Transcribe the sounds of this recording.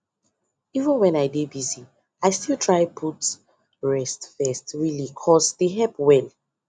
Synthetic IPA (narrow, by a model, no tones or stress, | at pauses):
ivə̃nwɛ̃naɪdebizi | aɪstilˠtʰɹaɪpʰut | ɹɛstfɛstɹilikʰɔsdeɦɛlpwɛl